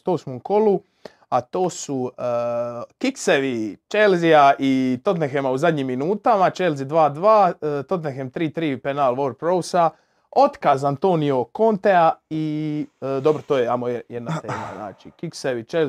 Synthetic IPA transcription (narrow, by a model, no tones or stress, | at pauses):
t̪oːsmoko̞lu | at̪oːsuəkikseʋit͡ʃelziaʔit̪o̞t̪nexemauzad̪ʲɲiːmːinuːt̪amat͡ʃelzid̪ʋaːd̪ʋaːt̪o̞t̪nexemt̪ɾiːt̪ɾiːpenaːlʋoɾpɾowsa | o̞t̪kaːzant̪oːnijo̞ko̞nt̪eai | d̪o̞bɾot̪oːjeamojed̪nat̪eːma̰zna̰ːt͡ʃikikseʋit͡ʃel